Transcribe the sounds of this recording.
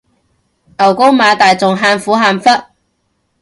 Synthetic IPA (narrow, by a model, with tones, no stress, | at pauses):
ʔɐ˨˩wko˥wmaː˨˧t̪aː˨jt͡sʊ˨˩ŋɦaː˧nfuː˨˥ɦaː˧nfɐ˥t̚